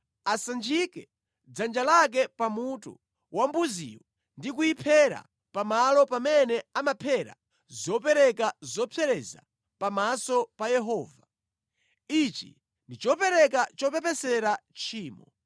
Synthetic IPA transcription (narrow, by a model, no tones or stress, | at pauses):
asand͡ʒikɛ | d͡zand͡ʒalak̬ɛpamutṵ | wambuzḭwɔ | ndikuipʰɛɾa̰ | pamalɔpamɛnɛamapʰɛɾa̰ | zɔpɛɾɛkazɔpʰɛɾɛza̰ | pamasɔpajɛɦɔːva | it͡ʃḭ | ndit͡ʃɔpɛɾɛk̬at͡ʃɔpɛpɛsɛɾat͡ʃʰiːmɔ